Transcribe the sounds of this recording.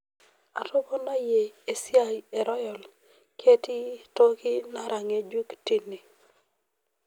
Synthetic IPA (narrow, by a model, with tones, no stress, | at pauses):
a̰˨tʊ˦bɔ˦na˦je˨e˨sja˦je˨ɾɔ˦jɔ˨l | kʰe˦ti˦to˦kɪ˦na˦ɾa˨ŋe˨d͡ʒu˦kti˦ni˨